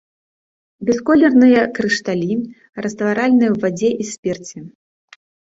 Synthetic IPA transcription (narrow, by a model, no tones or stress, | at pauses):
bʲɛskɔlʲɛrnɨjɐkɾɨʂt̪alʲi | rɐst̪vaɾalʲnɨjɛwvad͡zʲɛʔisʲpʲɛrt͡sʲɛ